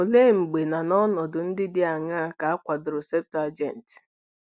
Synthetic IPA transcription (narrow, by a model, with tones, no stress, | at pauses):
o˨le˦˨ŋ͡m̩˨ɡ͡be˨na˨nɔ˦nɔ˨dʊ˨n̩˦dɪ˦dɪ˦a˨ŋa˦a˦ka˨a˦kʷa˨dʊ˨ɾʊ˨se˦p̚ta˨d͡ʒɛ˨n̩˨ti̥˨